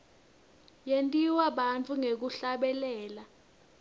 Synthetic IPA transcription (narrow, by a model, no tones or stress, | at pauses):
jentʼiwaɓant͡fʰuŋek̬uɬaɓɛlɛːla